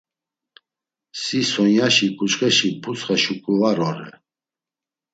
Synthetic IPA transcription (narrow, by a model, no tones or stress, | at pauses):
sisɔnjaʃikʼut͡ʃχʼɛʃipʰut͡sχaʃukʼuvaɾɔɾɛ̰